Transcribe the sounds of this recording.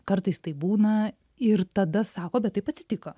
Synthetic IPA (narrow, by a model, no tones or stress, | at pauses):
kɐɾt̪ɐɪst̪ɐɪbuːnɐ | ɪɾt̪ɐd̪ɐsɑːkoːbʲɛt̪t̪ːɐɪpɐt̪ʲsʲɪt̪ʲɪkɐ